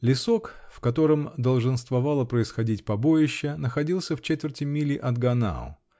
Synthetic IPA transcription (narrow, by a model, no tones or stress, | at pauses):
lʲɪso̞kfkɐt̪o̞ɾəmd̪əlˠʐɨnst̪vɐvɑlˠəpɾəɪsxɐdʲitʲpɐbo̞jɪɕːənəxɐdʲilˠsʲəft͡ɕet̪vʲɪrtʲɪmʲilʲɪʔɐd̪ɡɐna̰ʊ̰